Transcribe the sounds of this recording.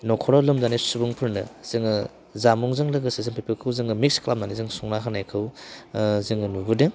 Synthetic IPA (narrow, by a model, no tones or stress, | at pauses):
nɔkʰɔɾɔlɯmzanisubuŋpʰɯɾnɯz̥ɯŋɯ | zamuŋzɯŋlɯɡɯsizɯŋpʰipɯkʰɯwzɯŋɯmik̚sklap̚nanizɯŋsuŋnakʰanajkʰɯw | zɯŋɯnubudɯŋ